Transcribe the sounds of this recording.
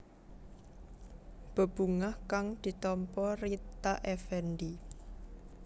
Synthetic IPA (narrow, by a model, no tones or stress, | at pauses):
b̥ə̤b̥ṳŋahkaŋd̪̥i̤t̪ɔmpɔrit̪aʔɛfɛndi